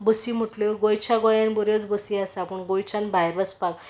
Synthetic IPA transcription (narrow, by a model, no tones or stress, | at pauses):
bəsim̤əʈloɡojt͡ɕʰaɡɔjanbɔɾjot͡sbəsiasaːpəɳɡojt͡ɕanbʱajɾʋəspak